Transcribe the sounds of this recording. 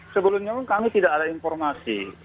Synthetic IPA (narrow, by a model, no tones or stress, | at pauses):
səbəlʊmɲapʊnkamit̪idaʔadainfɔrmasḭ